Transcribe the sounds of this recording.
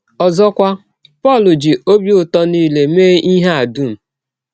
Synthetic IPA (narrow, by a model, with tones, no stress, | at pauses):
ɔ˨zɔ˦kʷa˦ | pɔ˦˨lʊ˨d͡ʒi˨o˦bjʊ˨tɔ˦niː˦le˨meː˦ʔi˦ɦe˦a˨du˦˨m̩˨